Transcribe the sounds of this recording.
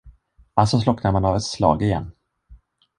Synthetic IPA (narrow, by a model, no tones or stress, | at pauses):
alsɔslɔknaɾmanɑvɛt̪slɑ̰ːɡɪjɛ̰nː